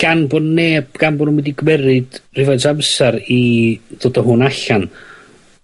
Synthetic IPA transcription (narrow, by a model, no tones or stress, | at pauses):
anbʊnːeːb̥ɡ̥anbʊnwɪdiɡwɛɾɨd̥r̥ɪvatʰamsaɾið̥odɔɦʊnaɬan